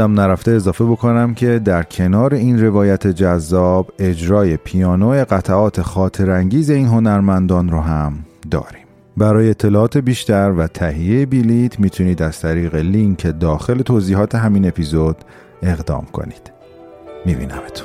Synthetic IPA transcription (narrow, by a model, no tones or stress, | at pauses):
æmnæɾæft̪eːzɒːfe̞bo̞kʰonæmcʰe̞d̪æɾcʰe̞nɒːɾe̞iːnre̞vɒːjæt̪ʰe̞d͡ʒæzːɒːbe̞d͡ʒɾɒːje̞pʰijɒːnoeɣæt̪ʰæɒːt̪ʰe̞xɒːt̪ʰe̞ɾæŋɟiːze̞iːnɦo̞næɾmænd̪ɒːnɾoɦæmd̪ɒ̰ːɾim | bæɾɒːjeːt̪ʰːe̞lɒːɒːt̪ʰe̞biːʃt̪æɾvæt̪ʰæɦijejebilit̪ʰmiːt̪ʰuniːd̪æz̥t̪ʰæɾiːɣe̞liŋkʰed̪ɒːxe̞le̞t̪ʰoːziːɦɒːt̪ʰe̞ɦæmine̞pʰizod̪̥ | e̞ɣd̪ɒ̰ːmkʰo̰ni̥ːd̪̥ | mibḭnæmet̪ʰ